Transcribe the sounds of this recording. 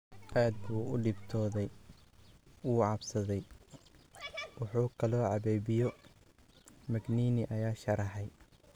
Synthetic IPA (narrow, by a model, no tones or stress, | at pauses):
ʔaːd̪̚buːʊɖɪbt̪ʰɔːðɛj | wuːʕɑbsɐðɛj | wɑħuːkʰɐlɔːʕɑβɛjbɪjɔ | mɐɡniːnɪʔɐjaːʃɐɾɐħɛj